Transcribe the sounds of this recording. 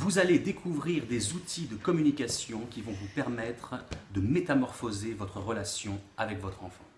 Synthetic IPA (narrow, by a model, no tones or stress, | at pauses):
vuzaled̪ekʰuvʁiʁd̪ezut̪ʰid̪əkɔmynikʲasjɔ̃kʲivɔ̃vupɛʁmɛt̪χd̪əmet̪amɔʁfozevɔt̪χəʁəlasjɔ̃avɛkvɔt̪χɑ̃fɑ̰̃